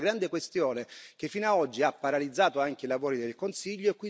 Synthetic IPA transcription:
ɡɾand̪ekwest̪joːnek̟efːiːnaɔd͡ʒːiapːaɾalid̪zːaːt̪oaŋk̟eilavoːɾid̪elkonsiʎːoekːwi

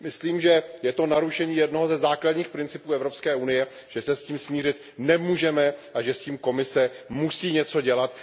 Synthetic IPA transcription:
mɪsliːmʒɛjɛt̪o̞naɾuʃɛɲiːjɛdnoɦozɛzaːkladɲiːxpɾɪnt͡sɪpuːɛvɾo̞pskɛːʔunɪjɛ | ʒ̥ɛsɛsciːmsmiːr̝ɪt̪ | nɛmuːʒɛmɛʔaʒɛsciːmko̞mɪsɛmusiːɲɛt͡so̞ɟɛlat̪

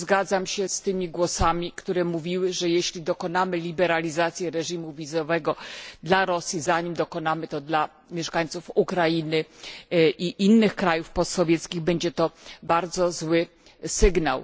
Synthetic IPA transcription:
zɡad̪zamɕɛst̪ɘmʲiɡwɔsamʲikt̪uɾɛmuvʲiwɘʐɛjeɕlʲid̪ɔkɔnamɘlʲibɛɾalʲizat̪sʲjɛɾɛʐimuvʲizɔvɛɡɔd̪laɾɔsʲjizaɲimd̪ɔkɔnamɘt̪ɔd̪la | mʲjɛʂkaɲ̃t̪sufukɾajinɘ | ʔiʔinːɘxkɾajufpɔst̪sɔvʲjɛt̪skʲiɣbɛɲd͡ʑɛt̪ɔbaɾd̪zɔzwɘ | sɘɡna̰w

